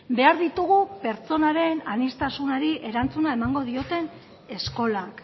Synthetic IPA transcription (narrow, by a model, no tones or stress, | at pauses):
be̞aɾðit̪uɣupe̞ɾt͡so̞naɾe̞nanist̪asunaɾiʔe̞ɾant͡sunae̞maŋɡo̞ð̞io̞t̪e̞n | e̞sko̞lak